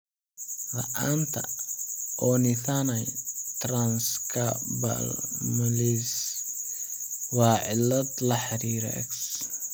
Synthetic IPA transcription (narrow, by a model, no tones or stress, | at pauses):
lɐ̰ʔaːnt̪ʰɐ̰ʔɔnɪθanɐjt̪ranskʰɐbɐ̰lmɐlis | wɑːʕɪlːɐd̪lɐħɑɾiːɾ̰ɛ̰ks